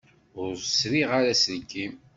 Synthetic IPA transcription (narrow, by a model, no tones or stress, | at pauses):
ʊɾsɾiʁaɾæsənkːim